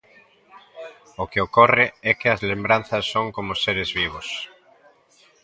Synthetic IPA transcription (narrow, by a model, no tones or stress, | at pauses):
okeokorɪɛkɪɐzlembɾan̟θɐsːoŋkomʊseɾɪzβiβ̞ʊs